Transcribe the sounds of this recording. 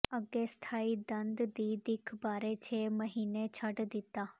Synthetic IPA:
əɡeːst̪ʰaːid̪ə̃nd̪d̪iːd̪ɪkʰbaːɾet͡ʃʰeːməɦiːnet͡ʃʰəʈd̪ɪt̪aː

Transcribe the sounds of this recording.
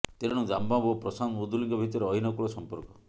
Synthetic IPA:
t̪eɾɽ̃ud͡ʒambabopɾɔsanud̪uliŋkɔbʱit̪ɔɾeɔɦinɔkuɭɔsɔmpɔɾkɔ

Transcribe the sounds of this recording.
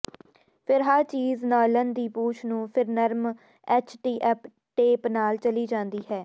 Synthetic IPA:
pʰɪɾɦaːɾt͡ʃiːznaːlənd̪iːpuːt͡ʃʰnũːpʰɪɾnəɾm | ɛːt͡ʃʰʈiːʔɛːp | ʈeːpnaːlt͡ʃəliːd͡ʒãːnd̪iːɦɛː

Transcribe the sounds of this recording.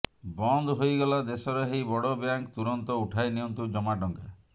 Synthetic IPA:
bɔnd̪ɦojɡɔlad̪esɔɾeɦejbɔɽɔbjaŋkt̪uɾɔnt̪ɔuʈʰajniɔnt̪ud͡ʒɔmaʈɔŋke

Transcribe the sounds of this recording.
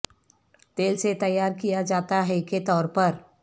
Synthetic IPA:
t̪eːlset̪ɐjːaːɾkijad͡ʒaːt̪aɦɛket̪ɔːɾpəɾ

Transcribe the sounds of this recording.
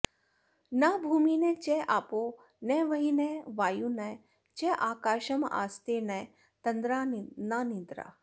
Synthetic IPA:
nabʱuːminẽt͡ʃeʔaːpo | nɛʋɐɦineʋaːjunɐ | t͡ʃeʔaːkaːʃɐma̰ːst̪enɐ | t̪ɐnd̪ɾananid̪ɾa̰ː

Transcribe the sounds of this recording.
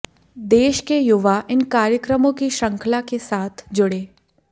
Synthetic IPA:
d̪eːʃkejʊʋaʔɪnkaːɾjəkɾəmõkiʃɐ̃ŋkʰlakesaːt̪ʰd͡ʒʊɽeː

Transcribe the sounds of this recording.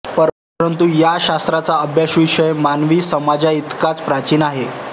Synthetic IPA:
pəɾ | ɾənt̪ujaɕast̪ɾat͡saəbʱjaɕʋiɕəjmanʋiːsəmad͡ʑait̪kat͡spɾat͡ɕiːnaɦe

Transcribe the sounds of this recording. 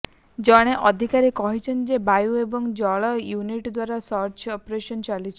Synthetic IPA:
d͡ʒɔɽ̃eʔɔd̪ʱikaɾekɔɦit͡ʃʰɔnd͡ʒebajuebɔŋd͡ʒɔɭɔjuniʈd̪waɾasɔɾt͡ʃɔpɾeʃɔnt͡ʃalit͡ʃʰi

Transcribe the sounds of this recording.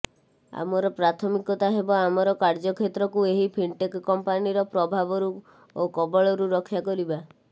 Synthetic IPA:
a̰mɔɾɔpɾat̪ʰɔmikɔt̪aɦebɔamɔɾɔkaɾd͡ʒɔkʰet̪ɾɔkueɦipʰiɳʈekkɔmpaniɾɔpɾɔbʱabɔɾu | okɔbɔɭɔɾuɾɔkʰːjakɔɾiba

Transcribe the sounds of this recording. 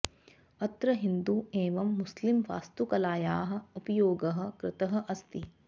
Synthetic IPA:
ɐt̪ɾɐɦind̪ueːʋɐmːuslimʋa̰ːst̪ukɐlaːjaːɦɐ̆upɐjoːɡɐɦɐ̆kɾɪt̪ɐɦɐ̆ʔɐst̪i

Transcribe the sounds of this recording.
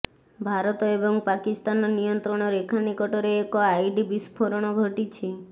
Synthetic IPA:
bʱaɾɔt̪ɔebɔŋpakist̪anɔnijɔnt̪ɾɔɽ̃ɔɾekʰanikɔʈɔɾeːkɔajɖibispʰoɾɔɽ̃ɔɡʱoʈit͡ʃʰi

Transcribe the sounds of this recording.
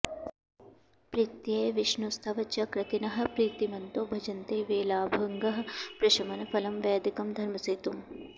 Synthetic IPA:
pɾiːt̪jɐjʋɪʃnust̪ʰɐʋɐt͡ʃɐkɾɐt̪inɐɦɐ̆pɾiːt̪imɐnt̪oːbʱɐd͡ʒɐnt̪eːʋeːlaːbʱɐŋɡɐɦɐ̆pɾɐʃɐmɐnɐfɐlɐmʋɛːd̪ikɐmd̪ʱɐɾmɐseːt̪um

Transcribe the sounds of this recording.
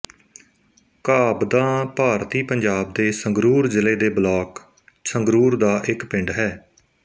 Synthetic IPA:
kaːbd̪aːpaːɾt̪iːpəɲd͡ʒaːb̚d̪eːsəŋɡɾuːɾzɪleːd̪eːblaːk | səŋɡɾuːɾd̪aːʔɪkpɪ̃ɳɖɦɛː

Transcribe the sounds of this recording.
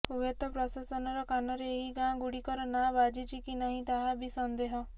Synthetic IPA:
ubet̪ɔpɾɔsasɔnɔɾɔkanɔɾeːɦiɡãɡuɽikɔɾɔnabad͡ʒit͡ʃʰikinaɦĩt̪aɦabisɔnd̪eɦɔ

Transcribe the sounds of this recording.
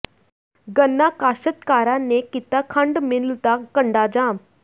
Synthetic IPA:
ɡənːakaːʃət̪kaːɾanekit̪akʰəɳɖmɪlt̪akəɳɖad͡ʒaːm

